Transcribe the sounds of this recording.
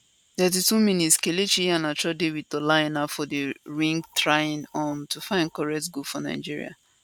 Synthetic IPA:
dɛditumĩnitskelet͡ʃiãnat͡ʃɔdewid̚tolaenafɔdəɹĩŋɡtɹajɪ̃nɔ̃ntufãɪ̃nd̚kɔɹɛk̚tɡufɔna̰ɪd͡ʒiɹḭa̰

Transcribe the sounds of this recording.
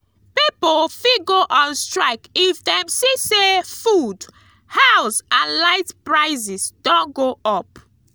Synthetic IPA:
pipofiɡoʔɔ̃nstɹaɪkifdɛ̃msisefud | haʊsãnlaɪtpɹaɪzisdɔ̃nɡoʔɔp

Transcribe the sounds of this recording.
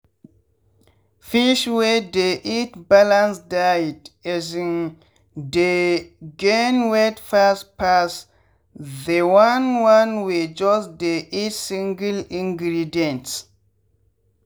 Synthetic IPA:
fiʃwedeʔitbalãnsdajdɛzĩn | deɡẽnwɛtfaspas | dewanwãnwed͡ʒɔsd̪eʔitsĩŋɡəlĩŋɡɾidiɛ̃nts

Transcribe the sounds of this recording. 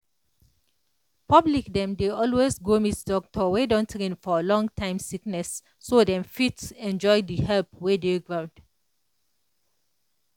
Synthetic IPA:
pʰʌblikdɛ̃mdeɔlwesɡomitdɔk̚tʰɔwedɔ̃ntɹĩnfɔəlɔ̃ŋtʰãɪ̃msiknɛsː | odɛ̃mfitɛ̃nd͡ʒɔɪdihɛlpwedeɡɹãʊ̃nd̥

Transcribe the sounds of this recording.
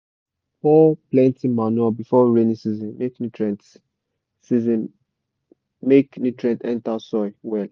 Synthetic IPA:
fɔplɛ̃ntĩmanabifɔɹenĩsizɔ̃nmeknitʰɹɛ̃nt | sizɔ̃n | meknitɹɛ̃ntɛ̃ntasɔɪwɛl

